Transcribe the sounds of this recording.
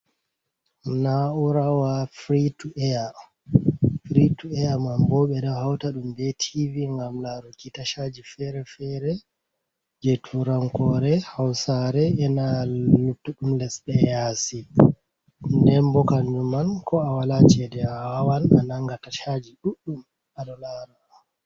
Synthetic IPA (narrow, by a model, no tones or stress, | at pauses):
nauɾawafɾituʔɛja | fɾituɛamambɔɓɛɗɔhawtaɗumbɛtʰiviŋɡamlaɾukitaʃad͡ʒifɛɾɛfɛɾɛ | d͡ʒetʰuɾaŋkɔɾɛhawsaɾɛɛnalutːuɗumlɛsɓɛjasi | nɛmbɔkanɲumankɔawalat͡ʃɛdɛaawana̰naŋɡataʃad͡ʒiɗuɗːum | aɗɔlaɾa